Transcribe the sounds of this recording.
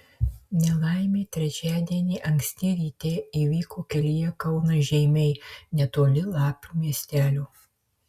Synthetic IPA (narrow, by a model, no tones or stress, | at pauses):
nʲɛlˠɑˑɪmʲeːt̪ʲɾʲɛt͡ʃʲæːd̪ʲiɛnʲiːʔɐŋksʲt̪ʲɪɾʲiːt̪ʲeːiːʋʲiːkoːkʲɛlʲijɛkɐʊnɐʒʲɛɪmʲɛɪnʲɛt̪oːlʲɪlˠɑːpʲuːmʲiɛsʲt̪ʲæːlʲuː